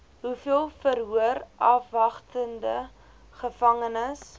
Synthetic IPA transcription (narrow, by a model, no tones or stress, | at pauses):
ɦufiəlˠfəɾɦuərʔɐfvɐχtəndə | χəfɐŋənəs